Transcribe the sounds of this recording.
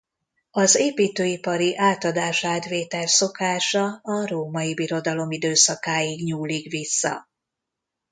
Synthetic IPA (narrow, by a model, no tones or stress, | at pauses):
ɒzeːpiːt̪øːipɒɾiʔaːt̪ɒd̪aːʃaːd̪ʋeːt̪ɛlso̞kaːʃɒɒroːmɒibiɾo̞d̪ɒlo̞mid̪øːsɒkaːjiɡɲuːlikʋisːɒ̰